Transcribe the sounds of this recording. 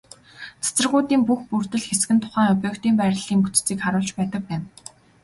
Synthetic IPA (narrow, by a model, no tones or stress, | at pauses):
t͡sʰḁt͡sə̆rʁʊːt̪iːmpuxpurt̪ɘ̆ɮxesɡɘ̆nt̪ʰʊ̥χæːŋɵpʲœːkt̪iːmpæːɾ̆ʲɮiːmput͡st͡siːkχaɾʊːɮt͡ɕpæːt̪ə̆k̚pæːn